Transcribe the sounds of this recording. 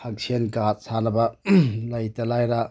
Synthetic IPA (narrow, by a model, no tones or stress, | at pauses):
hak̚sʰenkat̚sanɐbɐlɐjtɐlajɾa